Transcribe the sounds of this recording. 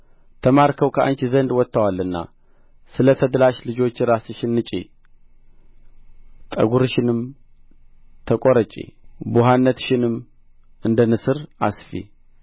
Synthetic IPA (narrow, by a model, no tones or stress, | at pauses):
t̪ʰəmaɾkʰəwkʰəʔa̰nt͡ʃizənd̪wɔt̪ːəwalːɨnːa̰ | sɨlət̪ʰəd̪laʃlɨd͡ʒo̞t͡ʃːɪɾasɨʃɪnːɨt͡ʃʼḛ | t̪ʼə̰ɡuɾɨʃɪnɨm | t̪ʰəkʼoɾət͡ʃʼːḛbuɦanːət̪ʃɪnɨm | ʔɨnd̪ənɨsɨɾʔa̰sfḛ